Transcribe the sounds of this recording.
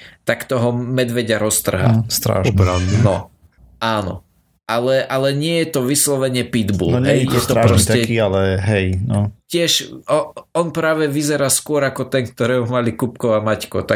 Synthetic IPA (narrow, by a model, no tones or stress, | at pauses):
t̪akt̪ɔɦɔmɛd̪ʋɛɟaɾɔst̪r̩ɦa̰st̪ɾa̰ːʃaɛnɔ | ʔaːnɔ̰ | ʔalɛʔalɛɲɪɛjɛt̪ɔʋislɔʋɛɲɪɛpid̪bṵlɦɛjjɛt̪ɔɾapɾɾɔst̪aɛialɛɦɛjnɔcɪɛʃɔɔnpɾaːʋɛʋizɛɾaːskʊɔɾakɔt̪ɛnk̚t̪ɔɾɛːmɔmalikupkɔamackɔt̪a